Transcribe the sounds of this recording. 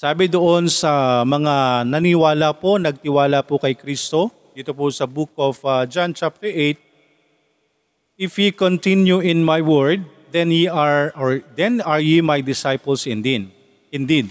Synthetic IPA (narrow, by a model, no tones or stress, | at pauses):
saːbɪd̪oʔo̞nsɐmɐŋanɐnɪwaːlapo̞nɐɡ̚t̪ɪwaːlapʊkɐjkɾist̪o̞ | d̪it̪opʊsɐbuk̚ofɐd͡ʒant͡ʃap̚t̪ɛɹʔejt̪̚ | ɪfhikont̪ɪnjuʔɪnmajwɛɹd̪̚ːɛnjiaɹʔoɹd̪ɛnɐɹjimajd̪ɪsajpɐlsɪnd̪id̪ | ɪnd̪id̪̚